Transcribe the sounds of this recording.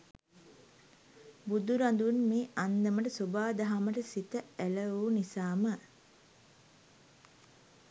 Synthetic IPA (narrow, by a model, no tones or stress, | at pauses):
bud̪uɾand̪unmeːʔand̪əməʈəsobaːd̪aɦaməʈəsit̪əæləuːnisaːmə